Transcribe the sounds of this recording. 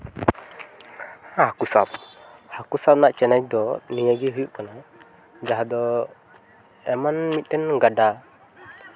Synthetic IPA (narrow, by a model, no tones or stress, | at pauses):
ahakusap̚hakusap̚naʔt͡ʃɛnac̚d̪ɔnijəɡɛɦujuʔkana | d͡ʒaɦad̪ɔ | ɛmanmit̪̚ˀɗɛnɡaɖa